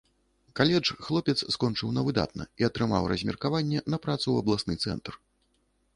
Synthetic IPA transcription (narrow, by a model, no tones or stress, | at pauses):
kalʲɛt͡ʂxlˠɔpʲɛt̪sskɔnt͡ʂɨwnɐvɨd̪a̰t̪̚nɐ̰iɐt̪ɾɨma̰wrɐzʲmʲɛ̰rkavanʲːɛnɐpɾat̪suwɐblˠasnɨ̰t̪sɛ̰nt̪r